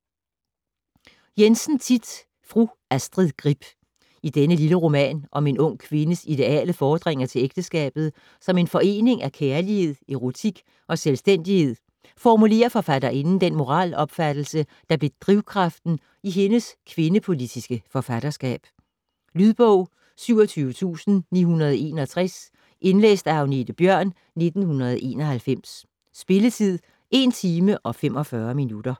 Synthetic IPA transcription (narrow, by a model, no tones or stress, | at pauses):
jensn̩t͡sʰid̥ | fʁu | æsd̥ʁiðˠɡ̥ʁib̥ | id̥enəliləʁo̝mɛ̰ːnʔɒ̽me̝nɔ̽ŋ̰kʰʋe̝nəsid̥e̝ɛ̰ːləfɒːd̥ʁeŋ̰ɐt͡sʰe̝leɡ̥̚d̥əsɡ̥ɛ̰ːb̥ð̩ˠ | sɒ̽me̝nfɒ̽e̝̰ːne̝ŋʔækʰæɐlihe̝ð̰ˠe̝ʁo̝t͡sʰiɡ̥ | ʔɒ̽selsd̥en̰d̥ihe̝ð̞̰ˠ | fɒmule̝̰ːɐfɒ̽fæd̥ɐʔe̝nn̩d̥enmo̝ʁɑ̰̈ːlɒ̽b̥fæd̥l̩səd̥ɑ̈b̥le̝d̥ʁiʊkʰʁɑfd̥n̩ | iɦe̝nəskʰʋe̝nəpʰo̝lid̥isɡ̥əfɒ̽fæɾ̥ɐsɡ̥ɛ̰ːb̥ | lyðˠb̥ɔʊ̰ | syʊ̰ɒt͡sʰyːʊət͡sʰṵːsn̩nḭːɦunɐð̞̩ˠe̝ːnɒt͡sʰʁɛs | ʔe̝nlḛːsd̥æɑ̈ʊne̝d̥əb̥jɶɐ̰nː | e̝d̥n̩hunɐð̞̩ˠʔe̝̰ːnɒ̽hælfem̰sː | b̥e̝lət͡sʰið̰ˠ | ʔe̝nt͡sʰiːməʔɒ̽fem̰ɒ̽fɶɐminud̥ɐ